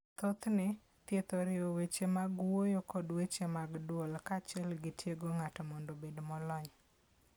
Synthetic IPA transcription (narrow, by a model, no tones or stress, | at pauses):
t̪ot̪nɪ | t̪jet̪oɾɪowet͡ʃemaɡwojokɔdwet͡ʃemaɡdwolkat͡ʃɛlɡɪtjeɡoŋatɔmɔndobedmɔlɔɲ